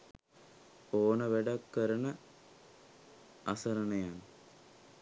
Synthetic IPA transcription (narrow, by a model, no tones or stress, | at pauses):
oːnɐʋeɖɐkːɐɾɐnɐ | ɐsɐɾɐnɐjan